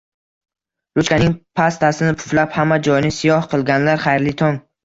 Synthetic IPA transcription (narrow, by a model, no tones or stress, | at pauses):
ɾʊt͡ʃkʲanɪŋpʰast̪ʰasɪnɪpʰʊ̥flaphamːad͡ʒɒjɪnɪsɪjɒhqʰɨlˠɡʲanlaɾχajɾlɪt̪ʰɒŋ